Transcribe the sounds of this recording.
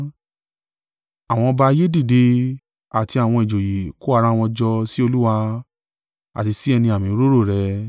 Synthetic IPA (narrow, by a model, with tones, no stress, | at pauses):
a˨w̃ɔ̃˧ba˧je˦di˦˨de˧ | a˨ti˧a˨w̃ɔ̃˧i˨d͡ʒo˨ji˨ko˦a˧ɾa˦˧w̃ɔ̃˧d͡ʒɔ˧si˦o˧lu˦wa˧ | a̰˨ti˧si˦ɛ˧nĩ˧a˨mĩ˨˦ɾo˦ɾo˦˨ɾɛ˨˧˦